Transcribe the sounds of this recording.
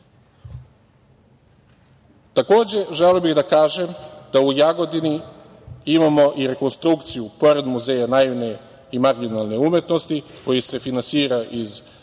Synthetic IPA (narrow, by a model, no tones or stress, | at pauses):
t̪ako̞ːd͡ʑe̞ʒeliobiɣd̪akaːʒe̞md̪̥aujaɡo̞d̪ini | imamo̞ʔiɾe̞konst̪ɾukt̪sijupo̞ɾe̞d̪muze̞ːjanaiʋne̞ | imaɾɡinalˠne̞umje̞t̪no̞st̪iko̞jise̞finansiːɾaʔiz